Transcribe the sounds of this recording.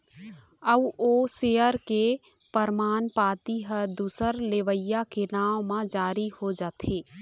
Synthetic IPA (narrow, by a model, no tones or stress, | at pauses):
əboːseːəɾke | pəɾmaːnpaːt̪iɦəd̪uːsəɾleʋəjːakelaːmmãd͡ʒaːɾihod͡ʒaːt̪ʰeː